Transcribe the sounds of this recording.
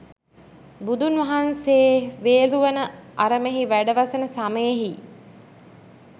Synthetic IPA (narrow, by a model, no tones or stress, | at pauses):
bud̪unʋɐɦanseʋeːluʋənəaɾəmeɦiʋæɖəʋasənəsaməjeɦi